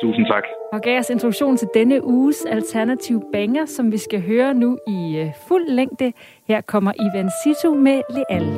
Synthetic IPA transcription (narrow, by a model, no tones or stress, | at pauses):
t͡sʰṵːsn̩t͡sʰɑ̈ɡ̥ɒ̽ɡ̥ɛɐse̝nt͡sʰʁdu̥ɕo̝̰ːnt͡sʰe̝ld̥enəʔuːsælt͡sʰæɐnæt͡sʰiʊəb̥eŋɐsɒ̽mʋisɡ̥æɦøːɐnuiful̰ːeŋ̰d̥ə | heɐ̰kʰɒ̽m̰ɐʔiʋænsit͡sʰomele̝ʔæl